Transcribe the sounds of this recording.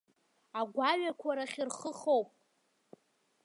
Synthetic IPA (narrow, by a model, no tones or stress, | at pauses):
aɡʷaɥakʷʰaɾaχʲirχəχowpʼ